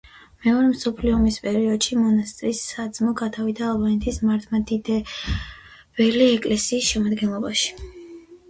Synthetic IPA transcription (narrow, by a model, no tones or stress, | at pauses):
mɛɔɾɛmsɔpʰliɔmispʼɛɾiɔd̪̥ʃimɔnast̪ʼɾisːad̪zmɔɡat̪ʰavid̪aːlˠbanɛt̪ʰismaɾt̪ʰmad̪id̪ɛ | v̥ɛliɛkʼlɛsiːsʃɛmad̪ɡɛnlˠɔbaʃi̥